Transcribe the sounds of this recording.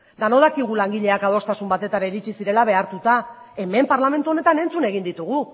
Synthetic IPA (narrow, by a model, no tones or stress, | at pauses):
d̪ano̞ð̞akiɣulaŋɡiʎe̞akaðo̞st̪asumbat̪e̞t̪aɾaiɾit͡ʃisiɾe̞laβe̞aɾt̪ut̪a | e̞me̞mpaɾlame̞nt̪uo̞ne̞t̪ane̞nt͡sune̞ɣind̪it̪uɣ̞u